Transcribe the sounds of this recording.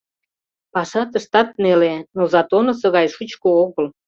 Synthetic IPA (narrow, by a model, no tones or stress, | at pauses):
pɑʃɑt̪əʃt̪ɑt̪nelenozɑt̪onŏsə̆ɣɑjʃut͡ɕkooɣəl